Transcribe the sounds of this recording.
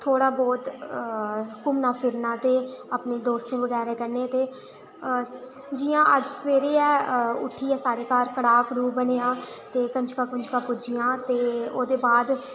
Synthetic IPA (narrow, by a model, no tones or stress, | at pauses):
t̪ʰoːɽaːbɔːt̪ | kʊmnaːpʰɪɾnãːt̪eːaːpneːd̪oːst̪nẽːʋəɡɛːɾɛːkəɾneːt̪eː | d͡ʒɪːãːʔəd͡ʒsəʋeːɾeːɛːʊ̰ʈʰːiːɛːsaːɽeːkaːɾkəɽaːkɾuːbəneːaːt̪eːkəɲd͡ʒkãːkə̃ɲd͡ʒkaːpʊd͡ʒijãːt̪eːoːd̪eːbaːd̪